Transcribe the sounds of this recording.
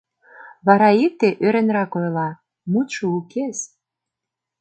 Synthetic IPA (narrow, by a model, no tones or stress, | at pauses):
βɑɾɑik̚t̪eʔøɾĕnrɑkojlɑ | mut̪ʃoukʰes